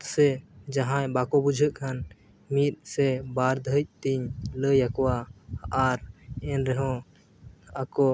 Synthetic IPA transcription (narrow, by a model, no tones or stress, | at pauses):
t̪sɛd͡ʒaɦãjbakɔbud͡ʒʱəʔkʰan | mit̪̚ˀsɛbaɾd̪ʱəc̚ˀt̪iɲləjakɔwaː | ɾɛnɾɛɦɔ̃ | akɔ